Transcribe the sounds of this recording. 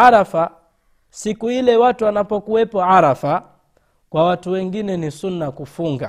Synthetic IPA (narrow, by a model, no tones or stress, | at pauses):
aɾafa | sikuilɛwatuwanapɔkuwɛpɔaɾafa | kwawatuwɛŋɡinɛnisunːakufuŋɡa